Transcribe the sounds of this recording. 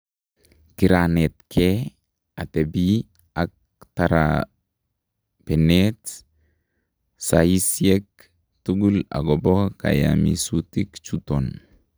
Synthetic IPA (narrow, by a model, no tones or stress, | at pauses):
kiɾanet̪kʰe | at̪ebi | ak̚ | t̪aɾa̰ | pɛnet̪ | saisiek | t̪uɡula̰ɡɔboka̰ja̰mḭsut̪ikt͡ʃut̪on